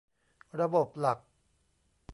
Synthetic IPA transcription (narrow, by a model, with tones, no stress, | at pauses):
ɾa˧bo˨˩p̚la˨˩k̚